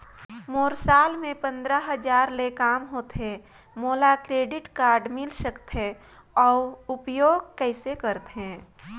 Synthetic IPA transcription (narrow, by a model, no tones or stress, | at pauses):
moːɾsaːlmẽpə̃nd̪ɾəɦəd͡ʒaːɾlekaːmɦoːt̪ɦẽ | moːlakɾeːɖɪʈkaːɾɖmɪlsəkt̪ɦẽ | ɔːʊpjoːɡ̚kɛɪsekəɾt̪ɦẽː